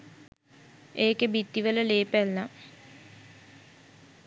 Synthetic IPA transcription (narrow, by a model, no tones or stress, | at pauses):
eːkebit̪ːiʋələleːpælːa